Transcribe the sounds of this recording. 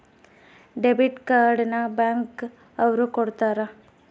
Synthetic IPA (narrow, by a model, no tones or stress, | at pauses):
ɖebiʈkaːɾɖnɐbaːŋk | ɐʋɾukoɽt̪aːɾɐ